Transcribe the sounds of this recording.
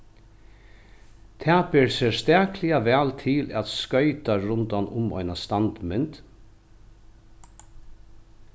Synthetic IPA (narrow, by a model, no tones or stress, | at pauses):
t̪ʰaːpɪɹsɛst̪æːklɪaʋɛːlt̪ʰɪlæ̰t̪skœʏt̪aɹʊnt̪anʊmɔ̰jnast̪ant̪mɪnt̪